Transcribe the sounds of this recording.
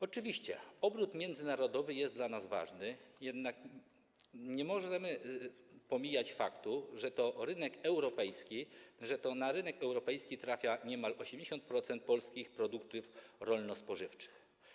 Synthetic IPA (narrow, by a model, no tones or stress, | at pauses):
ɔt͡ʂɘvʲiɕt͡ɕɛ̰ɔbɾut̪mʲjɛnd̪zɘnaɾɔd̪ɔvɘjɛst̪d̪lanazva̰ʐnɘjɛd̪nak | ɲɛmɔʐɛmɘ | pɔmʲijat͡ɕfa̰kt̪uʐɛt̪ɔɾɘnɛkɛwɾɔpɛjskʲiʐɛt̪ɔnaɾɘnɛkɛwɾɔpɛjskʲit̪ɾafʲjaɲɛmalɔɕɛmd͡ʑeɕɔnt̪̚pɾɔt̪sɛnt̪̚pɔlskʲixpɾɔd̪ukt̪ɘfɾɔlnɔspɔʐɘft͡ʂɘ̥x